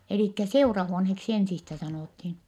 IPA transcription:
eliˑkːæ seurɑhuonheksi ensistæ sɑnoˑthin

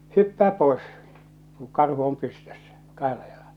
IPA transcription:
hypːæː poes ku kɑrhu om pystøsːæ kɑhelːɑ jɑlɑl̥ɑ̥

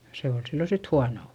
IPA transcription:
se ol silːo sit huɑnoˑ

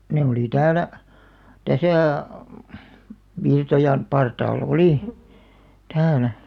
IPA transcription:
ne oli tæːlæ tæsæˑ ʋirtojɑn pɑrtɑːlː oliˑ tæːlæ

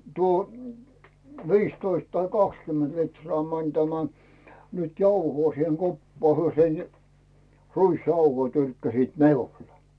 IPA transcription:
tuo ʋiːstoist tɑi kɑkskymːent litrŏɑˑ mænʲ tæmæ nyt jɑuhoː siheŋ kopːɑː hyø sen ruisjɑuhoi tyrkːæsit miule̥

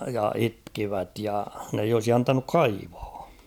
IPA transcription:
jɑ itkiʋæt jɑ n eij olsi ɑntɑnuk kɑiʋɑ̥ː

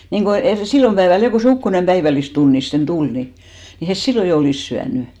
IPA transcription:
niŋɡ̊o eriˑ silːom pæeʋæl jo ko se ukːonem pæiʋælːistunːisten tul ni ni hes silːo jo oliˑs syænẙ

